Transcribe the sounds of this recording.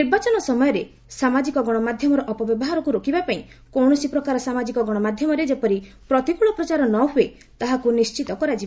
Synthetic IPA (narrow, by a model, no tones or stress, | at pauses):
niɾbat͡ʃɔnɔsɔmɔjɔɾe | samad͡ʒikɔɡɔɽ̃ɔmad̪ʱjɔmɔɾɔʔɔpɔbjɔbɔɦaɾɔkuɾokibapaĩ | kɔwɽ̃ɔsipɾɔkaɾɔsamad͡ʒikɔɡɔɽ̃ɔmad̪ʱjɔmɔɾed͡ʒepɔɾi | pɾɔt̪ikuɭɔpɾɔt͡ʃaɾɔnɔɦue | t̪aɦakunist͡ʃit̪ɔkɔɾad͡ʒiba